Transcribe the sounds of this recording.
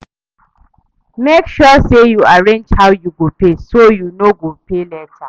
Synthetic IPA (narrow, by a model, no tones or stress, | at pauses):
mekʃɔsejuaɹẽnd͡ʒhaʊjuɡopesojunoɡopelɛtʰa